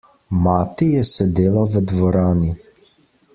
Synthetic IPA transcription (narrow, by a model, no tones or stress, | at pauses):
maːt̪ijɛsɛd̪eːlaʋəd̪ʋɔɾaːni